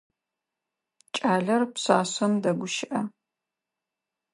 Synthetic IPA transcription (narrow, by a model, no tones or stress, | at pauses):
t͡ʃʼaːɮɐrpɕaːɕʷɐndɐɡʷʊʃɪʔɐ